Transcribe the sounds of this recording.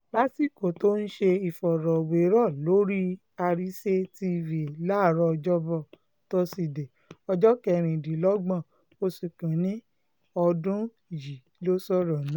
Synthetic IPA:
ba˦si˦ko˨to˦n̩˦ʃe˧i˨fɔ˨ɾɔ˨we˨˦ɾɔ˦˨lo˨˦ɾi˦ | a˧ɾi˦se˦ti˧vi˦˨la˦˨ɾɔ˧d͡ʒɔ˦bɔ˦˨ | tɔ˦si˧˨de˨ | ɔ˧d͡ʒɔ˦kɛ˧˨ɾ̃ĩ˨di˨lɔ˦ɡ͡bã˦˨ | o˧si˨kã˨nĩ˦ | ɔ˧dũ˦˨ | ji˨ | lo˦sɔ˦ɾɔ˨nũ˨˦

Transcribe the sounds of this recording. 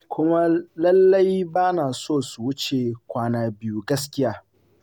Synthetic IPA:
kʷʊ˦ma˦lɐ˦lːɐ˦jbaː˦naː˨soː˦˨su˨wʊ˦t͡ʃe˨kʷaː˦naː˨bɪ˦ju˦ɡɐ˦s̬kʲɪ˦jaː˦

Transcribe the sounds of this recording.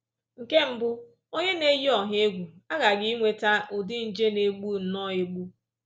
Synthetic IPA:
ŋ̩˨ke˦m̩˦bʊ˦ | o˦ɲe˦ne˦ji˦ɔ˨ɦe˦ɡʷu˨a˦ɣa˨ɡɪ˦i˦ŋʷe˦ta˦ʊ˨dɪ˦n̩˨d͡ʒe˦ne˨ɡ͡bu˦n̩˨nɔ˦e˨ɡ͡bu˦

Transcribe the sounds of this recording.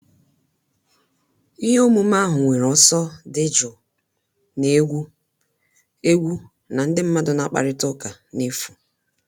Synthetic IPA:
i˦ɦo˦mu˦m˦a˦ɦʊ˨ŋʷe˨ɾɔ˦sɔ˦dɪ˦d͡ʒʊ˨ | ne˨˦ɡʷu˦ | e˦ɡʷu˦ | na˨n̩˦dɪ˦m̩˦ma˦dʊ˨na˦˨k͡pa̰˨ɾɪ˦tʊ˦ka˨ne˦fu˨

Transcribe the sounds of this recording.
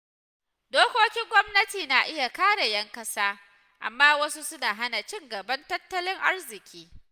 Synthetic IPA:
doː˦kʷoː˦kʲɪ˦ŋɡʷɔ˦mnɐ˦tiː˨naː˨ʔɪ˦ja˨kaː˦ɽa˨jɐ˦ŋkɐ˦saː˦ | ʔa̰˨mːaː˦wɐ˦su˦sʊ˦naː˨ɦa˦na˨t͡ʃɪ˦ŋɡɐ˨bɐ˦ntɐ˦tːɐ˦lɪ˦ŋʔa̰˦rzɪ˨kʲiː˦

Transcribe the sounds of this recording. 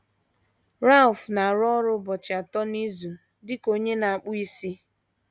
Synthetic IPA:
ɾa˦˨fna˨ɾɔ˦ɾʊ˦bɔ˨t͡ʃɪ˨a˨tɔ˦ni˦zu˨ | dɪ˦ko˦ɲe˦na˨k͡pʊ˦i˦si˦

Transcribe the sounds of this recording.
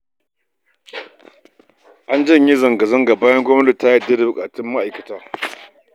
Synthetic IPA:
ʔa˦nd͡ʒɐ˦˨ɲji˦zɐ˨ŋɡɐ˨zɐ˦ŋɡa˨baː˦jɐ˦ŋɡʷɔ˦mnɐ˦ta˨taː˦jɐ˨dːaː˦da˨bʊ˨kʼaː˨tɪ˦mːa˦ʔa˨jkɐ˨taː˦

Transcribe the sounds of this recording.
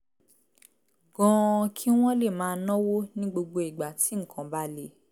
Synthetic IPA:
ɡɔ̃˧˦˧kʰi˦w̃ɔ̃˦le˦˨mãː˨˦˧nɔ̃˦wo˦nĩ˦ɡ͡bo˧ɡ͡bo˧i˨ɡ͡ba˨ti˨˦ŋ̩˦˨kʰã˨˦ba˦le˨˦

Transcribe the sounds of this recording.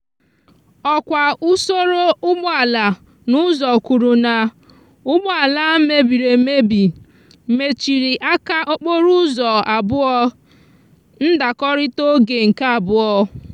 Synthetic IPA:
ɔ˦kʷa˨u˦so˦ɾo˦ʊ˦mʊ˦a˨la˨ | nʊ˦zɔ˨ku˨ɾu˨na˨ | ʊ˦mʊ˦a˨la˦me˨bi˨ɾe˨me˦bi˨ | me˨t͡ʃi˨ɾi˨ʔa˦ka˦ʔo˦k͡po˦ɾu˦zɔ˨a˨bʊ˦ɔ˦ | n̩˦da˨kɔ˦ɾɪ˦to˦ɡe˨ŋ̩˨ka˦a˨bʊ˦ɔ˦

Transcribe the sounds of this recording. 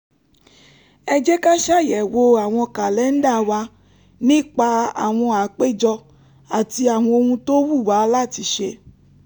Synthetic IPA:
ɛ˧d͡ʒɛ˦ka˦ʃa˦˨jɛ˨wo˧a˨w̃ɔ̃˧ka˨lɛ˨˦n̩˦ɖa˦˨wa˧ | nĩ˦k͡pa˧a˨w̃ɔ̃˧a˨˦k͡pe˦d͡ʒɔ˧ | a˨ti˧a˨w̃ɔ̃˧o˧hũ˧to˦wu˦˨wa˨˦la˦˨ti˨˧ʃe˧

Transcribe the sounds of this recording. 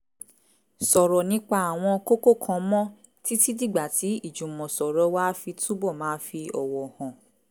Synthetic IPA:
sɔ˨ɾɔ˨nĩ˨˦k͡pa˧a˨w̃ɔ̃˧ko˦ko˦˨kʰɔ̃˨˦mɔ̃˦ | ti˦ti˦di˦˨ɡ͡ba˨ti˨˦i˦˨d͡ʒũ˨mɔ̃˨sɔ˨ɾɔ˨˦wa˦fi˧tu˦bɔ˦˨mãː˨˦fi˧ɔ˨wɔ˨hɔ̃˨

